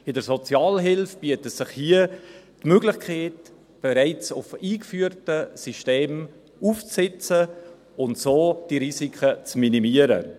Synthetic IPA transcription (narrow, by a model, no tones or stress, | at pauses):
ɪdəɾsot͡sjɑːlɦɪlfb̥iːətəsɪχhiətmøɡlɪxkʰχeɪt | b̥eɾaɪt͡sʊfiːkfyːəɾtəsiʃteːm | uft͡sɪt͡sə | ʊntsoːd̥iɾisikʰət͡sminimiəɾə̰